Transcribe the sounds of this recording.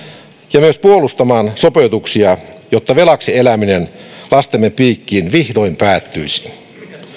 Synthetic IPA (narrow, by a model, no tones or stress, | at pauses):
jɑmyøspuolust̪ɑmɑːnsopeut̪uksiɑjot̪ːɑʋelɑksielæminenlɑst̪emːeppiːkːiːnʋihdoimpæːt̪ːyisi̥